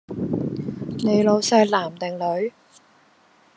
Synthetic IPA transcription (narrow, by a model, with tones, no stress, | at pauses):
ne˨˧jlo˨˧wsɐ˧jlaː˨˩mt̪ɪ˨˩ŋlɵ˨˥ɥ